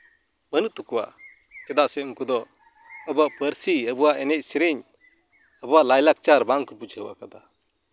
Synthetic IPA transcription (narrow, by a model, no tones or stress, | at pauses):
mənut̪ukuwa̰ʔ | kɛd̪aʔsɛuŋkud̪ɔ | əbaʔpəɾsiəbuwaʔɛnɛc̚siɾɛɲ | əbuwaʔlajlak̚t͡ʃaɾbaŋkupud͡ʒɦəwa̰kad̪a